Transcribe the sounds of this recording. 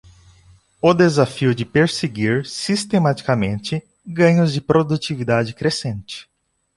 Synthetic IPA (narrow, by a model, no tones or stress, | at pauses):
ʊd̪ezafiʊd͡ʒɪpeɾseɡiɾsist̪emat͡ʃi̥kamẽnt͡ʃɪ | ɡɐ̃ɲʊzd͡ʒɪpɾod̪ut͡ʃivid̪ad͡ʒɪkɾesẽnt͡ʃɪ̥